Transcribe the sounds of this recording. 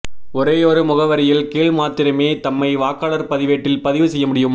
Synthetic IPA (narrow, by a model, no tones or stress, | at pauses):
ʊɾeːjoːɾɯmʊɣɐʋɐɾɪjɪlkeːɭmaːt̪ɪɾɐmeːt̪ɐmːɐɪʋaːkːaːɭɐɾpɐðɪʋeːʈːɪlpɐðɪʋɯsɛjːɐmʊɽɪjɯm